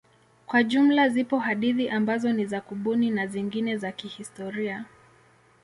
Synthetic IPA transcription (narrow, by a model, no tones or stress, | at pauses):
kwaʄum̩lazipɔhaɗiðiʔambazɔnizakuɓuninaziŋɡinɛzakihistɔɾia